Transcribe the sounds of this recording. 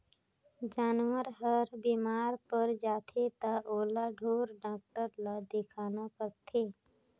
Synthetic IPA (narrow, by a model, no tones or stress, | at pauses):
d͡ʒaːnwəɾɦəɾbiːmaːɾpəɾd͡ʒaːt̪ʰet̪aʔoːlaɖʱoːɾɖaːk̚ʈəɾlad̪ɪkʰaːnapək̚t̪ʰeː